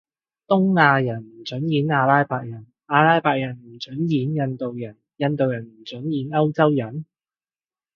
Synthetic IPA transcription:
t̪ʊ˥ŋːaː˧jɐ˨˩nm̩˨˩t͡ʃɵ˨˥njiː˨˥naː˧laː˥jpaː˧k̚jɐ˨˩n | aː˧laː˥jpaː˧k̚jɐ˨˩nm̩˨˩t͡ʃɵ˨˥njiː˨˥njɐ˧nt̪o˨wjɐ˨˩n | jɐ˧nt̪o˨wjɐ˨˩nm̩˨˩t͡ʃɵ˨˥njiː˨˧nɐ˥wt͡sɐ˥wjɐ˨˩n

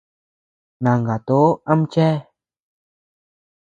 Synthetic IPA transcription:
nã˨ŋɡa˨t̪o˨˦ã˦m˦t͡ʃɛ˦

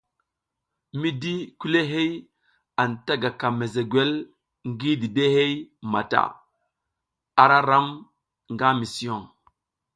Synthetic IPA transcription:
mi˦di˦ku˦le˦ɦe˦j | a˨nta˦ɡa˨ka˨me˨ze˨ɡwe˦l | ŋɡi˦di˨de˦ɦe˦jma̰˨ta̰˨ | a˨ɾa˦ɾa˦m | ŋɡa˦mi˨si˨o˦˨ŋ

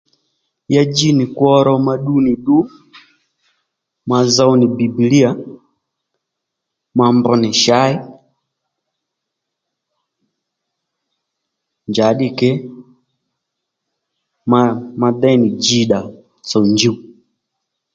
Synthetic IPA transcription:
ja˦d͡ʒi˦ni˨kwɔ˦ɾɔ˦ma˨ɗu˦ni˨ɗu˦ | ma˨za˦u˦ni˨bi˨bi˨li˦a˨ | ma˨mbɔ˨ni˨ʃa˦i˦ | ɲd͡ʒa˨ɗi˦kɛ˦ | mama˨dɛ˦ni˨d͡ʒi˦ɗa˨ | t͡sɔ˨uɲd͡ʒi˦u

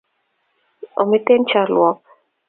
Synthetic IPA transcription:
o˨mɪ˦te˦nt͡ʃa˦lwɔ˦k̚

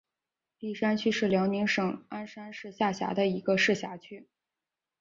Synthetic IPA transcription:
ti˥˩ʂa˥nt͡ɕʰy˥ʂɻ̩˥˩ljɑ˧˥ʊni˧˥ŋʂɤ˨˩˦ŋa˥nʂa˥nʂɻ̩˥˧ɕja˥˩ɕja̰˧˥d̪ə˧i˧˥ɡə˧ʂɻ̩˥˩ɕja˧˥t͡ɕʰy˥

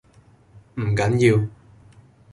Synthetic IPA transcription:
m̩˨˩kɐ˨˥njiː˧w

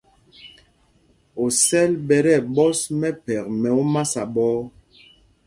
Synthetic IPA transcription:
o˨sɛ˦lɓɛ˨ɾɛ˦˨ɓɔ˦smɛ˦pɛ˨kmɛ˨o˦ma˦sa˨ɓɔː˦

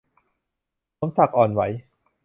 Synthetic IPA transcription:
lo˦˥msa˨˩k̚ʔɔː˨˩nwa˦˥j

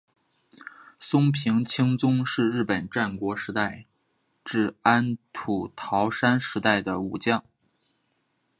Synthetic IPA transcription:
sʊ˥ŋpʰi˧˥ŋt͡ɕʰi˥ŋt͡sʊ˥ŋʂɻ̩˥˧ɻɻ̩˥˩pə˨˩nʈ͡ʂa˥˩nkwɔ˧˥ʂɻ̩˧˥t̪a˥˧ɪ | ʈ͡ʂɻ̩˥˩a˥nt̪ʰu˨˩t̪ʰɑ˧˥ʊʂa˥nʂɻ̩˧˥t̪a˥˩ɪd̪ə˩u˨˩t͡ɕjɑ˥˩ŋ

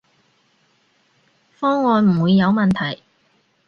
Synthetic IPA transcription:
fɔː˥ŋːɔː˧nm̩˨˩wuː˨˧jːɐ˨˧wmɐ˨nt̪ʰɐ˨˩j

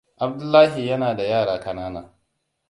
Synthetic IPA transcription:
ʔa˨b̚dʊ˦lːaː˦ɦi˨jɐ˦naː˨da˨jaː˦˨ɽaː˨kɐ˨naː˦na̰ː˨

